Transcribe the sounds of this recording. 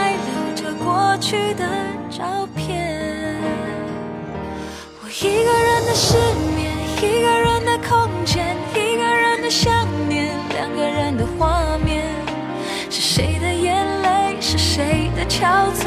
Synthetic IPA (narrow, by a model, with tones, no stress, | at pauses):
ɪt͡sə˨˩ʈ͡ʂə˧kwɔ˥˧t͡ɕʰy˥d̪ə˩ʈ͡ʂɑ˥ʊpʰjɛ˥˩ | wɔ˨˩i˧˥ɡə˧ɻə˧˥nd̪ə˧ʂə˥˩nmjɛ˧˩ni˧˥ɡə˧ɻə˧˥nd̪ə˧kʰo˥˧ŋt͡ɕʰjɛ˥˩ni˧˥ɡə˧ɻə˧˥nd̪ə˧ɕjɑ˥˧ŋnjɛ˥˧˩nljɑ̰˧˩ŋɡə˧ɻə˧˥nd̪ə˧xwa˥˧mjɛ˥˧n | ʂɻ̩˥˩ʂe˧˥ɪd̪ə˧jɛ˧˥nle˥ɪʂɻ̩˥˩ʂe˧˥ɪd̪ə˧t͡ɕʰjɑ˧˥ʊt͡s